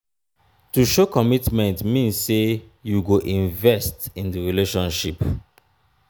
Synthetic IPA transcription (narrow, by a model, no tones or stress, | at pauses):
tuʃokɔmitmɛ̃ntmĩnssejuɡoʔĩɱvɛstĩndəɹileʃɔ̃nʃip